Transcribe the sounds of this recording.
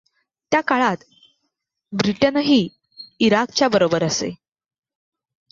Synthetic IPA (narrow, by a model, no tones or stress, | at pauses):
t̪jakaɭat̪ | bɾiʈənɦiː | iɾak̚t͡ɕjabəɾobəɾəsḛ